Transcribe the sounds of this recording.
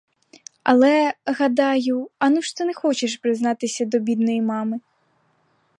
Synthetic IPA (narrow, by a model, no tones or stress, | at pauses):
ɐ̰lˠɛɣɐd̪ɑjʊɐnuʃt̪ɔnɛxɔt͡ʃeʃpɾɪznɑt̪ɪsʲɐd̪ɔbʲid̪nɔjimɑmɪ